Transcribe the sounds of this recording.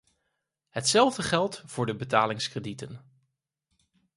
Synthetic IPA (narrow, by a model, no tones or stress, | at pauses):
ɦətsɛlˠvdəχɛlˠtvʊːɹdəbətaːlɪŋskrəditən